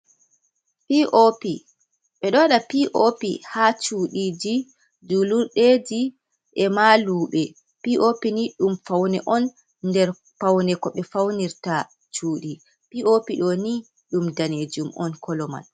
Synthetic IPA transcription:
piʔopi | ɓɛɗɔɗapiʔopihat͡ʃuːɗiːd͡ʒi | d͡ʒuluɾɗed͡ʒi | ʔɛmaluːɓɛ | piʔopiniɗumfawnɛʔɔn | nːdɛɾ | pawnɛkɔɓɛfawniɾta | t͡ʃuːɗi | piʔopiɗɔni | ɗumdaned͡ʒumʔɔ̰nkʰɔlɔma̰l

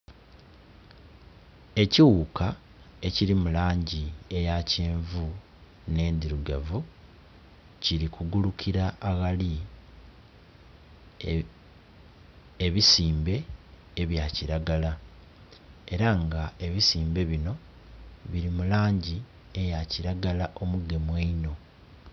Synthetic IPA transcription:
e̞ciwuːka | e̞ciɾimulaːɲɟie̞jace̞ːɱvu | ne̞ːnd̪iɾuɡavu | ciɾikuɡulukiɾaːɣali | eβisiːmbe̞ː | βjaːciɾaɡala | e̞ɾaŋɡae̞βisiːmbe̞βino̞ | βiɾimulaːɲɟi | e̞jaciɾaɡalaʔo̞muɡe̞mweino̞

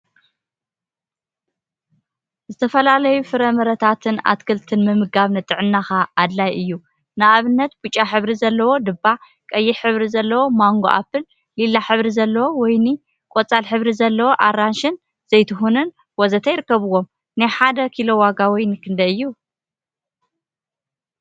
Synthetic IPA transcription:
zɨt̪ʰɐfɐlalɐjufɨɾɐmɐɾɐt̪ʰat̪ʰɨna̰t̪kʰɨlt̪ʰɨnmɨmɨɡaβnɐt̪ʼɨʕɨnːaxaːd̪lajʔɨjːu | nɨʔaβɨnːɐt̪b̥ut͡ʃʼːaħɨβɾizɐlːɐwo̞d̪ɨbːa | kʼɐjːɪħɨβɾizɐlːɐwo̞maŋɡoʔa̰fɨl | lilːaħɨβɾizɐlːɐwo̞wɔjni | kʼot͡sʼalħɨβɾizɐlːɐwo̞ʔaranʃɨn | z̥ɐjt̪ʰɨxunɨn | wɔzɐt̪ʰɐjɪɾɨkːɐβɨwːo̞m | najħad̪ɐkʰilowaɡawɔjnkʰɨnd̪ɐɨjːu

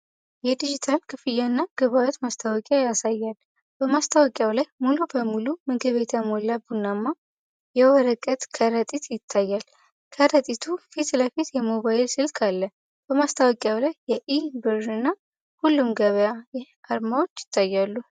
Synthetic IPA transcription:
jɛd̪id͡ʒit̪ʰalkʰɨfɨjanːaɡ̥əβawɔt̪mast̪ʰawɔkʼajasajːal | b̥əmast̪ʰawɔkʼjawlajmulubəmulumɨɡɨβet̪ʰamolabunːamːa | jɛwɔɾəkʼət̪kʰəɾət̪ʼit̪jɪt̪ʰːajːal | kʰəɾət̪ʼit̪ʰufit̪ləfit̪jɛmo̞βaɪlsɨlkʰalːə | b̥əmast̪ʰawɔkʼjawlajːɛʔibɨɾɨnːa | hulːumɡəβəjajɪhaɾmawot͡ʃːjɪ̥t̪ʰːajːalːu

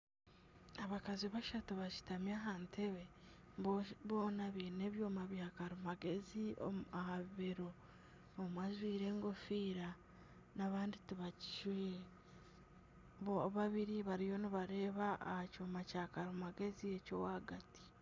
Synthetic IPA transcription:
aβakaziβaʃatoβaci̥tamjaɦaːntʰeβe | βoːnaβiːne̞ːβjoːmaβjaːkaɾumaɡe̞zio̰ahaββeɾoː | mwazwiːɾe̞ːŋɡofiːɾa | naβaːndituβaci̥ʃiː | βoβaβiɾiβaɾijo̞niβaɾe̞ːβaːhacomacaːkaɾumaɡe̞ziecowaɡati̥

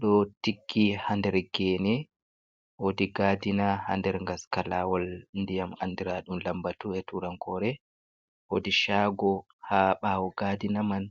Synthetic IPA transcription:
ɗɔtiɡːihandɛɾɡɛːnɛ | wodiɡadinaha̰ndɛɾŋɡaskalawɔlndijama̰ndiɾaɗumlambatuɛtuɾaŋkɔɾɛ | wodiʃaɡɔ | haɓawɔɡadinaman

